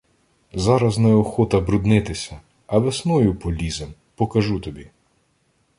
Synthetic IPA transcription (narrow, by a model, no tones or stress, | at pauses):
zɑɾɐznɛɔxɔt̪ɐbɾʊd̪nɪt̪ɪsʲɐ | ɐʋesnɔjʊpɔlʲizem | pɔkɐʒut̪ɔbʲi